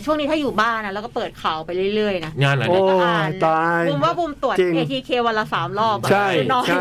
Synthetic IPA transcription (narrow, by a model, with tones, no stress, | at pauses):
t͡ɕʰu˥˩əŋni˦t̪ʰaː˥˩juː˨˩baː˥˩nːa˦˥lɛ˧˦˥kɔː˥˩pɤː˨˩t̪̚kʰa˨˩˦wpa˧jɾɯ˥˩jɾɯ˥˩əjna˦˥ŋaː˧nla˨˦oː˧˩a˧t̪aː˧juː˧mwaː˥˩bu˧mt̪u˨˩ətt͡ɕi˧ŋeː˧t̪ʰiː˧kʰeː˧wa˧nlːaː˧saː˩˦mlɔː˥˩p̚bʰa˥˩jnɔː˧˩j